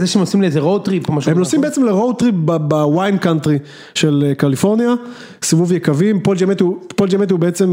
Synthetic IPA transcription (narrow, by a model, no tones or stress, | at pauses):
zeʃeemosimleezeʁowt̪ʁipomaʃhemnosimbeet͡semleʁowt̪ʁip̚babawajnkant̪ʁi | ʃe̞lekalifo̞ʁnja | sivuvjekavimpold͡ʒamet̪hupold͡ʒamet̪hubeet͡se̞m